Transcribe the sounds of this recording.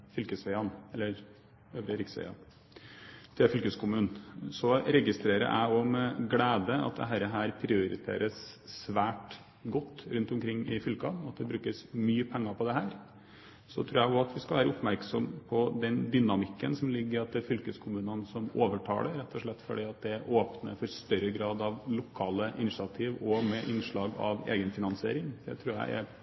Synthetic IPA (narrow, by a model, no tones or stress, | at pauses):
fʏlkəsʋæɪɑnɛlːəɾ | øːʋɾəɾɪksʋɛ̰ɪɑ̰n | t̪ʰɪfʏlkəskʰʊmʉːnnsɔɾɛɡɪst̪ɾeːɾə̰ɾʔæ̰ɪɔmɛɡleːd̪əɑ̰t̪̚d̪ɛ̰ɦæːɾəɦæːɾpʰɾɪʊɾɪ̰t̪ʰḛːɾəssʋæːʈ | ɡɔt̪ːɾʉnt̪ʊmkʰɾɪŋːɪfʏlkɑnɔɑt̪̚d̪ɛbɾʉːkəsmyːəpʰɛŋːɑpʰɔd̪ɛɦæːɾ | sɔt̪ʰɾuːɾjæɪʊɑt̪ʋɪskɑlʋæːɾəʊpmæɾksɔmpʰɔd̪ɛnd̪ʏnɑmɪkːənsɔmlɪɡːəɾɑt̪̚d̪ɛfʏlkəskʰʊmʉːnənsɔmoːʋəʈʰɑ̰ːləɾɾɛt̪ʰːɔʂɭɛt̪ːfɔɖiːɑt̪̚d̪ɛæɾʔoːpnə̰fɔɾst̪œɾːəɡɾɑːd̪ɑʋlʊkʰɑːləʔɪnɪʂɑt̪ʰiːʋɔmɛʔɪnʂɭɑːɡɑ̰ʋḛːɡənfɪnɑnsɪḛːɾɪŋd̪ɛ̰t̪ʰɾʉːɾjæ̰ɪʔæ̰ɾ